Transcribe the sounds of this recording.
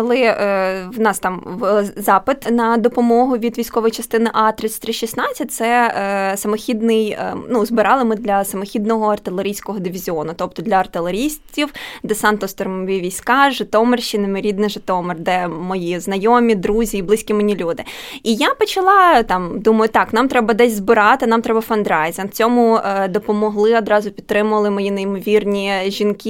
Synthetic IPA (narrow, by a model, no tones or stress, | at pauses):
kɔlˠɪ | wnɑst̪ɑmzɑpɪt̪nɐd̪ɔpɔmɔɦʊʋʲid̪ʋʲijsʲkɔʋɔjit͡ʃɐst̪ɪnɪʔɑt̪ɾɪsʲt̪ɾɪʃisnɑt͡sʲɐtʲt̪sɛsɐmɔxʲid̪nɪjnuzbɪɾɑlˠɪmɪd̪lʲɐsɐmɔxʲid̪nɔɦɔɐrt̪ɪlˠeɾʲijsʲkɔɦɔd̪ɪʋʲizʲiɔnʊt̪ɔp̚t̪ɔd̪lʲɐɐrt̪ɪlˠeɾʲisʲtʲiwd̪ɛsɑnt̪ɔst̪ɔɾmɔʋʲiʋʲijsʲkɑʒɪt̪ɔmerʃinɪmeɾʲid̪nɪʒɪt̪ɔmɪrd̪ɛmɔjiznɐjɔmʲid̪ɾuzʲiːblˠɪsʲkʲimenʲilʲud̪ɪ | ijapɔt͡ʃɐlˠɑt̪ɑmd̪umɐjʊt̪ɑknɑmt̪ɾɛbɐd̪ɛsʲzbɪɾɑt̪ɪnɑmt̪ɾɛbɐfɐnd̪ɾɑjzʲɐnt͡sʲɔmʊd̪ɔpɔmɔɦlˠɪɔd̪ɾɑzʊpʲid̪ɾɪmʊʋɐlˠɪmɔjinɐjmɔʋʲirnʲiʒʲinki